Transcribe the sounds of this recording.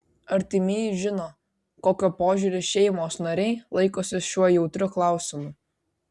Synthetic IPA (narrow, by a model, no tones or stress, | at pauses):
ɐɾʲt̪ʲɪmʲeːjʒʲɪnoː | koːkʲopoːʒʲʊɾʲɪʃʲɛɪmoːsnɐɾʲɛɪlˠɐɪkoːsʲɪʃʲuɔjɛʊt̪ʲɾʲʊklˠɑˑʊsʲɪmʊ